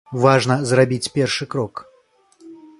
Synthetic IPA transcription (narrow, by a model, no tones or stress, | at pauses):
vaʐnɐzrabʲit͡sʲpʲɛrʂɨkɾɔk